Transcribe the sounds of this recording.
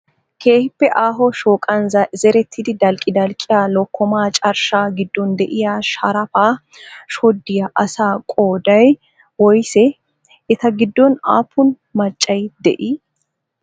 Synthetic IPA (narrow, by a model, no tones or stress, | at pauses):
kʰeːhɪpːɛʔaːɦɔʃoːkʼɐnɐzɛɾɛt̪ʰːɪd̪ɪd̪ɐlkʼːɪd̪ɐlkʼɪjaːlɔkʰːɔmaːt͡ʃʼɐɾʃaːɡɪd̪ːɔnd̪ɛʔɪjaːʃɐɾɐfaː | ʃɔd̪ːɪjɐʔɐsaːkʼoːd̪ɐj | wɔjsɛ | ɪt̪ɐɡɪd̪ːɔna̰ːpʰːʊn | mɐt͡ʃʼːɐjd̪ɛ̰ʔiː